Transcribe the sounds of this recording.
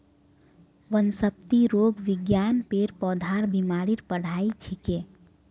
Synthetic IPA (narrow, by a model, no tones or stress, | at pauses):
ʋənsəp̚t̪iɾoɡʋiɡjanpeɾpɔd̪ʱaɾbimaɾiɾpəɽ̤ait͡ʃʰike